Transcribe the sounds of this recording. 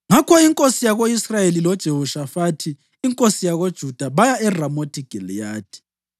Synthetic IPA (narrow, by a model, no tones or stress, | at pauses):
ŋakʰɔiŋkʼosijaɣoisrajelilɔd̥ʒ̥ʱehuʃafatʰiː | ŋkʼosijaɣod̥ʒ̥ʱud̥ʱaβajaɛramotʰiɡ̥ʱɛljaːtʰi̥